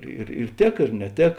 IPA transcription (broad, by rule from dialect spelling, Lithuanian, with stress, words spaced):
ɪr ɪr ˈtʲeːk ɪr nʲɛˈtʲeːk